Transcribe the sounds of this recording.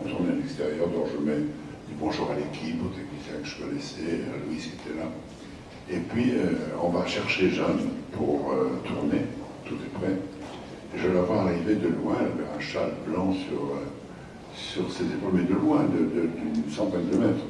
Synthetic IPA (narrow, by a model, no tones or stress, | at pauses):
t̪uʁnealɛkst̪eʁjœʁd̪ɔ̃kʒəmɛ | d̪ybɔ̃ʒuʁalekʲʰipot̪ɛknisɛ̃kəʒə̥kɔnɛsɛa̰lwiset̪ʰɛla | epɥiøɔ̃vaʃɛʁʃeʒanpʰuʁøt̪ʰuʁnet̪ut̪epχɛ | eʒəlavwaːʁived̪əlwɛ̃avɛɛ̃ʃalblɑ̃syʁø | syʁsezepolmɛd̪əlwɛ̃d̪əd̪əd̪ynsɑ̃t̪ɛnd̪əmɛt̪χ